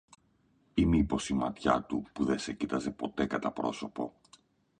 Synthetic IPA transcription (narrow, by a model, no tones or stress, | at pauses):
imipo̞simɐt̪çɐt̪upuðe̞secit̪ɐze̞po̞t̪e̞kɐt̪ɐpɾo̞so̞po̞